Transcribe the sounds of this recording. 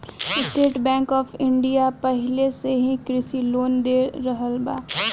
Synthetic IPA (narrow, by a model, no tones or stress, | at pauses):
ɪsʈeːʈbɛ̃ːŋkɔːpʰɪ̃ɳɖijapəɦɪleseɦĩkɾɪsiloːnd̪eɾəɦəlbaː